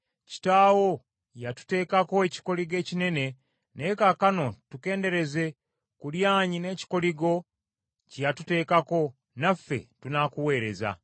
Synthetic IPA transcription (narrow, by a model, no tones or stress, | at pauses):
ci̥taːwo̞ | jatu̥te̞ːkako̞eci̥ko̞liɡe̞ːcine̞ne̞ | nekakano̞tuke̞ːnde̞ɾe̞ze̞ | kuljaːɲine̞ːci̥ko̞liɡo̞ | cijatute̞ːkako̞ | nafːe̞̰tunakuwe̞ːɾe̞̰za̰